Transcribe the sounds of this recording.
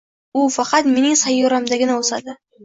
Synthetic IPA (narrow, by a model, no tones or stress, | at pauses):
ʊfɑqɑt̪me̞nɪŋsajːoɾamd̪aɡʲɪnaosad̪ɪ